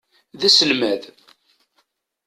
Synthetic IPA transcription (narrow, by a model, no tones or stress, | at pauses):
ðæsəlmæð